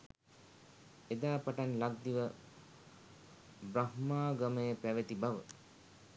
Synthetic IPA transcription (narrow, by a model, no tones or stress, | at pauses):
ed̪aːpaʈanlaɡ̚d̪iʋə | bɾahmaːɡaməjəpæʋət̪ibaʋə